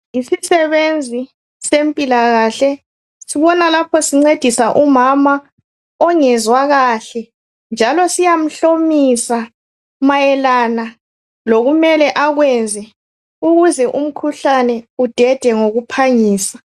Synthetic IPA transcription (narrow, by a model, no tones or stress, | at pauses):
isisɛβend͡zʱi | sempʼilaɣaːɬɛ | siβɔnalapʰɔsiŋ͡ǀed̥ʱisaʔumama | ɔŋɛzwaɣaɬɛ | nd͡ʒʱalɔsijam̩ɬomisa | majɛlaːna | loɣumɛlɛʔaɣwɛnd͡zʱɛ | uɣuzɛʔum̩kʰuɬanɛud̥ʱɛd̥ʱɛŋoɣupʰaɲiːsḁ